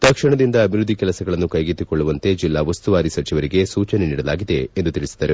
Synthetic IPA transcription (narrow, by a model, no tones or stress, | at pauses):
t̪ɐkʂɐɳɐd̪ind̪ɐːbʱiɾud̪ʱːikɛlɐsɐɡɐɭɐnːukɐjɡit̪ːikoɭːuʋɐnt̪e̞d͡ʒilːaːʋɐst̪uʋaːɾisɐt͡ʃiʋɐɾiɡe̞suːt͡ʃɐneniːɽɐlaːɡid̪e̞ːnd̪ut̪iɭisi̥d̪aːɾe